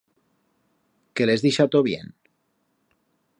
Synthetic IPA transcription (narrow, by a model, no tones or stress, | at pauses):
kelezðiʃat̪oβjḛn